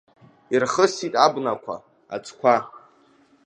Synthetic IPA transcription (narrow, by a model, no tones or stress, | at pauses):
irχəsitʼabnakʷʰa̰ | a̰t͡sʰʼkʷʰa